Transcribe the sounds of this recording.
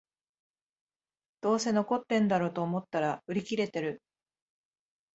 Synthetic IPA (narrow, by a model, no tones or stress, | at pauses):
d̪̥o̞ːse̞no̞ko̞t̪ːẽ̞nd̪aɾo̞ːt̪o̞ːmo̞t̪ːaɾaɯ̟ɾʲikʲiɾe̞t̪e̞ɾɯ